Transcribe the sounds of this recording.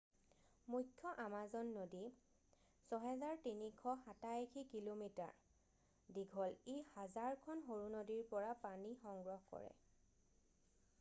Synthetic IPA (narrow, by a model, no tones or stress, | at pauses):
mujkʰːɔʔamazɔnːodi | sɔɦɛzaɹtinikʰɔxataekʰikilomita̰ɹ | diɡʱɔlehazaɹkʰɔnɦoɹunodiɹpɔɹapanixɔŋɡɹɔhkɔ̰ɹɛ̰